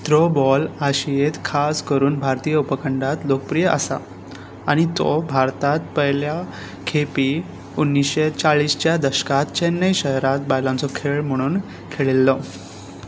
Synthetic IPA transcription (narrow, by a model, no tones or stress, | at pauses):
t̪ɾobɔlaɕijet̪kʰaskəɾuːnbʱaɾt̪ijəupəkʰəɳɖat̪lokəpɾijəʔə̰sa̰ | aɽ̃it̪ɔ̰bʱaɾt̪at̪̚pəɦlja | kʰepiː | unːisɕet͡saɭiːst͡ɕjad̪əɕə̥kat̪t͡ɕenːəjɕəɦɾat̪̚bajlãnt͡sɔkʰeɭm̤əɽ̃uːn | kʰeɭilːɔ